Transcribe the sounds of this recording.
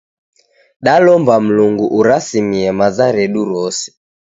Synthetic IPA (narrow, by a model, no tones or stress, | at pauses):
ɗalɔmbam̩luŋɡuʔuɾasimiɛmazaɾɛɗuɾɔsi̥